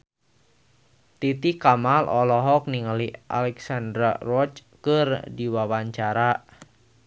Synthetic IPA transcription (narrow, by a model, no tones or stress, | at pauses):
t̪it̪ikamalʔɔlɔɦɔk̚niŋəliʔa̰lɛksandɾarɔt͡ʃkərdiwawaɲt͡ʃaɾa